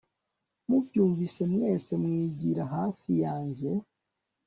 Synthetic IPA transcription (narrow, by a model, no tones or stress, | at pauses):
mubjuːɱvise̞mŋe̞ːse̞mŋiːɟiɾaɦaːfijaːɲze̞